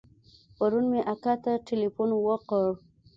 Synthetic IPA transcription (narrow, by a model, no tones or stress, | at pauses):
paɾunmeʔakat̪aʈelifunwəqəɾ